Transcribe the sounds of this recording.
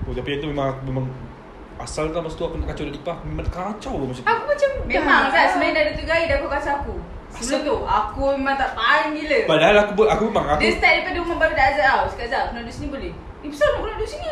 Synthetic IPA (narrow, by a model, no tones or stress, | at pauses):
ot̪apijat̪umemãŋakumemaŋ | asalt̪amast̪uakunaʔkat͡ʃawdat̪ipahmemankat͡ʃawlamat͡ʃaakumat͡ʃammemãŋkaʔsəmaɛdadət̪əɡaidaakukasaaku | sət̪uakumemãŋt̪aʔpaiŋiləpadaɦalakubakumemãŋakdest̪aʔdapadəumaŋbaɾadaʔzaʔawskaʔzaawkunadusniboleh | ibəsamakunadusini